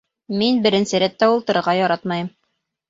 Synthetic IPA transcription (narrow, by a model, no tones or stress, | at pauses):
minbɘ̆ɾɘ̆nsɘɾæt̪ːæulˠt̪ɤ̆ɾɤ̆ɾʁɑjɑɾɑt̪mɑjɤm